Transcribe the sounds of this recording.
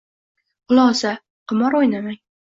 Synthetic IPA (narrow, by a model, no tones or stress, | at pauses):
qʊlˠɒsa | qɨmɒɾojnamaŋ